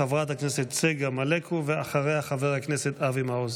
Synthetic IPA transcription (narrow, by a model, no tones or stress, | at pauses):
avʁat̪hakneset̪t͡seɡamalekʰuveaχaʁejhaχaveʁhakneset̪avimaoz